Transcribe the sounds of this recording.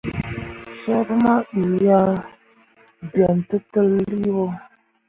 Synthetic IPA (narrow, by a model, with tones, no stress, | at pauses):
so˦ɾma˦ɗi˨ja˦ | ba˨n˨tə˦tə˦lli˦wo˦